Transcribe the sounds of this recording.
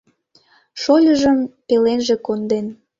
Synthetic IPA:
ʃolʲəʒəmpelenʒekond̪en

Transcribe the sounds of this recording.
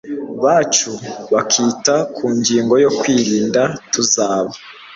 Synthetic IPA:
βaːt͡ʃuβakʰiːtakʰuːɲɡiːŋɡo̞jo̞kwiːɾiːndatuzaːβa

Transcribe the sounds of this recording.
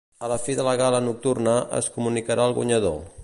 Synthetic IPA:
ələfiðələɣalənuk̚t̪urnəʔə̰skumunikəɾʔaəlˠɣṵɲəðo

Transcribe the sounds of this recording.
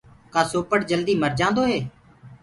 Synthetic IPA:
kaːsoːpəʈd͡ʒəld̪iːməɾd͡ʒãːnd̪oːɦeː

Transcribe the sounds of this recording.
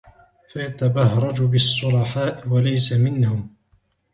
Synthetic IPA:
fajat̪abɑhɾˤɑd͡ʒbɪsˤːʊlɑħaːʔɪwalajsamɪnhʊm

